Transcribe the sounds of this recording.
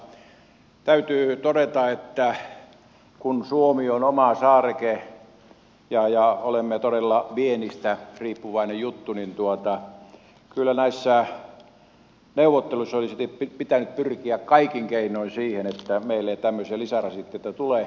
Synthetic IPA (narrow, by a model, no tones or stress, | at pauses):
t̪æyt̪yːt̪odet̪ɑet̪ːæ | kunsuomionomɑsɑːrke | jɑjɑolemːet̪odelːɑʋienist̪æriːpːuʋɑinejjut̪ːunint̪uot̪ɑ | kylːænæisːæ | neuʋˑot̪ːeluisːolisit̪eppipit̪ænyt̪̚pyrkiækkɑikiŋkeinoinsiːhenet̪ːæmeilːet̪æmːøselisærɑsit̪ːeet̪ːæt̪ule